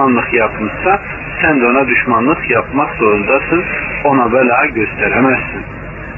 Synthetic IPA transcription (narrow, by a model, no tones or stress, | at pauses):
ɑnlˠɯχjɑpʰɯmsɑ | sænd̪onɑd̪yʃmɑnlˠɯχjɑpʰmɑχsoɾund̪ɑsɯnonɑbælɑːɟø̞st̪ʰæɾæmæzsin